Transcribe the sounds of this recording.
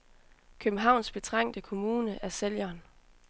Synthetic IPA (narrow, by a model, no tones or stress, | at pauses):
kʰøb̥m̩ɦɑ̈ʊ̰nsb̥e̝t͡sʰʁaŋ̰d̥əkʰo̝muːnəʔæɐseljɐːn